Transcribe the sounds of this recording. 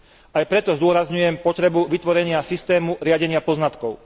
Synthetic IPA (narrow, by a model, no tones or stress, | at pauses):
ajpɾɛt̪ɔzd̪ʊɔɾazɲujɛmpɔt̪ɾɛbuʋit̪ʋɔɾɛɲɪasist̪ɛːmuɾɪaɟɛɲɪapɔznat̪kɔʊ